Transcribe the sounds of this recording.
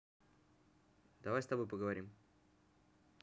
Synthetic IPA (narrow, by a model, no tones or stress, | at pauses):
d̪ɐvajst̪ɐbo̞jpəɡəvɐɾʲim